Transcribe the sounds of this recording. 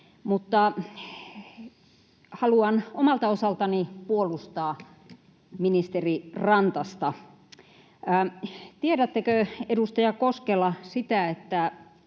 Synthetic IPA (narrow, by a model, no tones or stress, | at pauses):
mut̪ːɑ | hɑluɑnomɑlt̪ɑosɑlt̪ɑnipuolust̪ɑː | minist̪erirɑnt̪ɑst̪ɑ | t̪ieɾæt̪ːækøedust̪ɑjɑkoskelɑsit̪æet̪ːæ